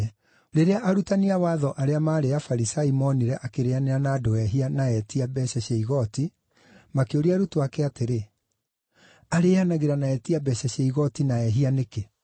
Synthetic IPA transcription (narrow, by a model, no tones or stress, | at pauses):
ɾeɾeaʔaɾutaniawaːðɔʔaɾeamaːɾeafaɾisaimɔniɾɛʔakeɾeaneɾanaːdoɛɦianaɛtiabɛɕɛɕeiɣɔti | makeoɾiaɾutoakɛateɾe | aɾeːanaɣeɾanaɛtiabɛɕɛɕeiɣɔtinaɛɦianeke